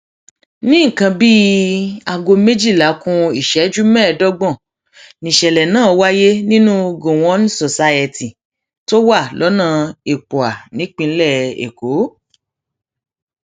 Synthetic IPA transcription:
nĩ˦˨kã˧bi˦a˨ɡo˧me˦d͡ʒi˦˨la˨˦kũ˧i˦˨ʃɛ˨˦d͡ʒu˦mɛ̃ː˦˨dɔ˦ɡ͡bɔ̃˦˨ | nĩ˨ʃɛ˨lɛ˨nãː˦˨˧wa˦je˦nĩ˦nũ˦ɡo˨w̃ɔ̃˦n˦so˨sa˧ɛ˧ti˨ | to˦wa˦˨lɔ˨˦nãː˦˨e˨k͡po˨a˨nĩ˨˦k͡pĩ˧˦lɛ˦˨ḛ˨ko˨˦

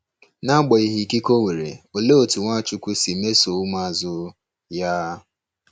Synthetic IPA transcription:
na˦ɡ͡bɔ˨i˨ɦi˨ki˦ko˦ŋʷe˨ɾḛ˨o˨le˦o˨tu˨ŋʷa˦˨t͡ʃu˦kʷu˦si˨me˦so˨u˦ma˦˨zʊ˦ | ja˦

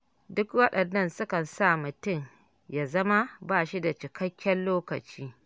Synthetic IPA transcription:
dʊ˦kwɐ˦ɗɐ˨nːɐ˦nsʊ˦kɐ˨nsa˦˨mʊ˨tʊ˦˨ŋ | ja˨zɐ˦ma˦baː˦ʃi˦da˨t͡ʃɪ˨kɐ˦kʲːɐ˦nloː˦kɐ˨t͡ʃiː˦

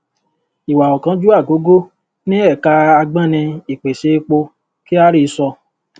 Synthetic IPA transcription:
i˨wa˨ɔ˨kã˨˧˦d͡ʒu˦a˦˨ɡo˨˦ɡo˦ | nĩ˦ɛ˦˨ka˧a˧ɡ͡bã˦˨nĩ˧i˨k͡pe˨ʃe˧k͡po˧ | ki˦a˦ɾi˦˧sɔ˧

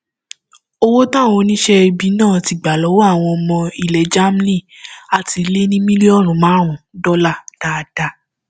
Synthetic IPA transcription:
o˦wo˦tã˦˨w̃ɔ̃˧nĩ˦ʃɛ˦˧bi˨˦nãː˦˨ti˨ɡ͡ba˨lɔ˨˦wa˦˨w̃ɔ̃˧ɔ˧mɔ̃˧i˨lɛ˨˦d͡ʒa˦m˦li˦˨ | a˨ti˧le˦nĩ˦mĩ˦le˦ɔ˦˨ɾ̃ũ˨˦mãː˨˦ɾ̃ũ˨dɔ˦la˦˨d̥a˨˧da˧

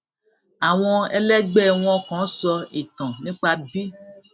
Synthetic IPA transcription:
a˨w̃ɔ̃˧ɛ˧lɛ˦ɡ͡bɛ˦˨w̃ɔ̃˧kɔ̃˨˦sɔ˧e˨tɔ̃˨nĩ˦k͡pa˧bi˦

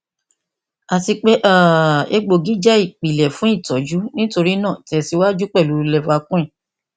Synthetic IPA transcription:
a˨ti˧k͡pe˦ʔa˦˨e˧ɡ͡bo˨ɡi˦d͡ʒɛ˦i˦˨k͡pi˨lɛ˨fũ˨˦i˦˨tɔ˨d͡ʒu˨˦nĩ˦to˧ɾi˦nã˦˨tɛ˧si˧˦wa˦d͡ʒu˦k͡pɛ˦˨lu˨˦˧lɛ˧˨fa˧kũ˦ĩ˦˨

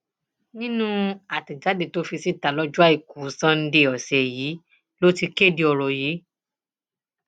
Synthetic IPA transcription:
nĩ˦nũ˦a˨ti˨d͡ʒa˨˦de˦˨to˦fi˧si˦ta˨lɔ˦d͡ʒu˦a˦˨i˨ku˨˦sã˦n̩˦de˧˨ɔ˨sɛ˨jiː˨˦ | lo˦ti˧ke˦˨di˧ɔ˧˨ɾɔ˨jiː˨˦

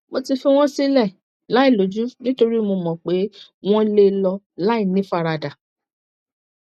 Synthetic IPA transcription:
mo˧ti˧fi˧w̃ɔ̃˦si˦lɛ˦˨ | la˨˦i˦˨lo˨˦d͡ʒu˦nĩ˦to˧ɾi˦˨mo˧mɔ̃˨k͡pe˨˦w̃ɔ̃˦˧le˦lɔ˧ | la˨˦i˦˨nĩ˨˦fa˦˨ɾa˧da˨

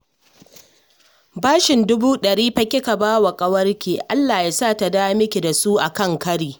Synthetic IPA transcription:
baː˦ʃɪ˨ndʊ˦buː˦ɗɐ˨ɽiː˦ɸɐ˦kʲɪ˦ka˨baː˦wa˨kʼɐ˦wɐ˦rkʲeː˨ʔa˦lːaː˨ja˦saː˦ta˨daː˦mɪ˦kʲe˨da˨su˦ʔa˨kɐ˦ŋkɐ˦ɽiː˨

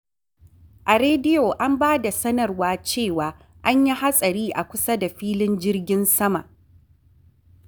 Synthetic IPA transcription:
ʔa˨ɾeː˦dɪ˦jo˨ʔa˦mbaː˦da˨sɐ˦nɐ˨rwaː˦t͡ʃeː˦˨waː˨ | ʔa˦ɲji˦ha˦sʼɐ˨ɾiː˦ʔa˨kʷʊ˦sɐ˦da˨ɸiː˦lɪ˦nd͡ʒɪ˦rɡʲɪ˦nsɐ˦ma̰˨ʔ

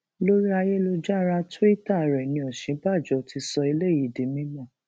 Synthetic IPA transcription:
lo˦ɾi˦a˧je˦lo˧d͡ʒa˦ɾa˧twi˦ta˦˨ɾɛ˨nĩ˧ɔ˨ʃĩ˨˦ba˦˨d͡ʒɔ˨˦ti˧sɔ˧i˧le˦˨ji˨di˨˦mĩ˦mɔ̃˦˨

